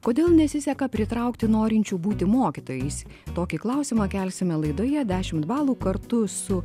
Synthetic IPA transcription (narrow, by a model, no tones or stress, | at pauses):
koːd̪ʲeːlˠnʲɛsʲɪsʲɛkɐpʲɾʲɪt̪ɾɐˑʊkt̪ʲɪnoːɾʲɪnʲt͡ʃʲuːbuːt̪ʲɪmoːkʲɪt̪oːjɛɪsʲ | t̪oːkʲiklˠɐʊsʲɪmɑːkʲælʲsʲɪmʲɛlˠɐɪd̪oːjɛd̪ʲæːʃʲɪmt̪bɑːlˠuːkɐɾt̪ʊsʊ